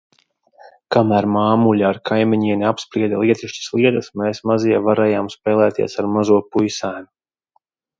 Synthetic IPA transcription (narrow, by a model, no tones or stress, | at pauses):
kamæːɾmaːmuʎaːɾkʰajmiɲiɛnʲiapspɾiɛd̪alˠiɛt̪iʃt͡ʃḁslˠiɛt̪ɐsmeːsmaziɛvaɾɛːjaːmspɛːlˠɛːt̪iɛsaɾmazuɔpujsaːm